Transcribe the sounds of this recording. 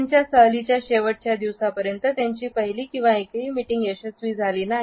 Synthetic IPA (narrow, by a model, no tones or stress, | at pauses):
ɲt͡ɕjasəɦlit͡ɕjaɕeʋəʈ̚t͡ɕjad̪iʋsapəɾjənt̪ət̪jaɲt͡ɕiːpəɦiliːkĩw̃ʋaekɦiːmiʈiŋɡeɕəsʋiːd͡zʱaliːnaɦi